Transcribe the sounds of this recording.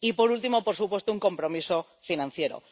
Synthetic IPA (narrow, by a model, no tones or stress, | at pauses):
ipo̞ɾult̪imopoɾsupwe̞st̪ouŋko̞mpɾo̞miso | finãnθje̞ɾo̰